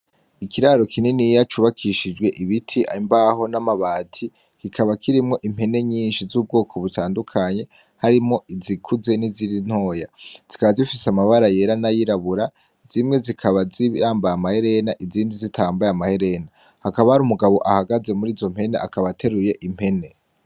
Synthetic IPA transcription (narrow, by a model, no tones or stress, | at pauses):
ikʰiɾaɾokʰininijat͡ʃuβakʰiʃid͡ʒɡwe̞ʔiβitʰiʔa̰imbaɦo̞namaβaːtʰi | kikʰaβakʰiɾimŋo̞ʔim̥e̞ne̞ɲiːnʃizuːb̚ɡo̞ːkʰo̞βutʰaːndukʰaɲe̞ | haɾimŋo̞izikʰuze̞niziɾin̥ho̞ːjaz̥ikaβazifiseamaβaɾaje̞ɾanajiɾaβuɾa | zimŋe̞zikʰaβaziaːmbajamahe̞ɾe̞naʔiziːndizitʰaːmbajamahe̞ɾe̞na | hakaβahaɾumuɡaβo̞ʔahaɡaze̞muɾiːzo̞m̥he̞ne̞̰ʔakaβatʰe̞ɾuje̞ʔim̥he̞ne̞